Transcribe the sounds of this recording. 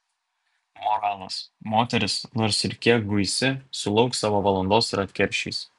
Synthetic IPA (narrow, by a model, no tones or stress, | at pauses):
mɔɾɑːlˠɐsmoːt̪ʲɛɾʲɪsnoːɾsɪɾʲkʲiɛk̚ɡʊɪsʲɪsʊlˠɒʊksɑːʋoːʋɐlˠɐnd̪oːsɪɾɐt̪ʲkʲɛɾʲʃʲḭːs